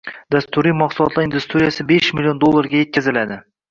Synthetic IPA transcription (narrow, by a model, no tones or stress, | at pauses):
d̪ast̪ʊɾimɒqsʊlˠɒt̪laɾind̪ust̪ɾijasɪbeʃmɪlijo̞nd̪olˠːaɾɡʲaje̞t̪̚kʲazɪlad̪ɪ